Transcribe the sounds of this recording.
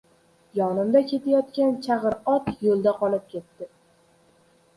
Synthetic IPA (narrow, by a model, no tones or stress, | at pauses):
jɒnɪmd̪akʲʰe̞t̪ʰajɒt̪kʲant͡ʃʰaʁɨɾɒt̪jolˠd̪aqɒlɪp̚kʲʰe̞t̪ːɪ